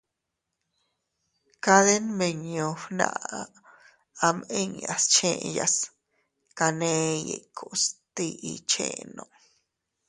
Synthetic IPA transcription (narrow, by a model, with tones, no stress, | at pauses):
ka˧ðe˦nme˧ɲõ˨fnã̰˧a˧ | a˧me˦ɲa˨st͡ʃẽ˧ʔja˨s | ka˧nẽ˧je˨kʰo˨st̪i˧ʔi˧t͡ʃḛ̃˦nõ˧˨